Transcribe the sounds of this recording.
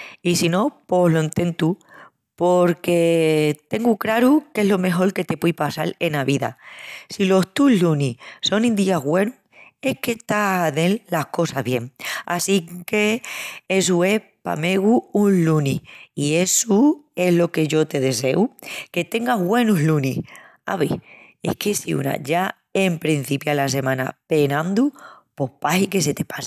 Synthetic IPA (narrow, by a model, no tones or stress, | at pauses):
isino̞po̞ɦloint̪e̞nt̪u | po̞ɾke̞t̪e̞ŋɡukɾaɾuke̞ɦlo̞me̞xo̞ɾke̞t̪e̞pwijpasale̞naβiða̰silo̞st̪ulluniso̞nĩnd̪iaɦɣwe̞nu | e̞hke̞ht̪aðe̞llahko̞saɦβje̞ŋa̰sike̞e̞s̬ue̞h | pa̰me̞ɣuunlunihie̞sue̞ɦlo̞ke̞ʝo̞t̪e̞ðe̞se̞uke̞t̪e̞ŋɡaɦɣwe̞nuɦlunih | a̰βḭ | e̞̰hke̞siṵna̰ʝa | empɾin̟θipjalas̬e̞mãna̰penãnd̪u | po̞hpahike̞se̞t̪e̞pasḁ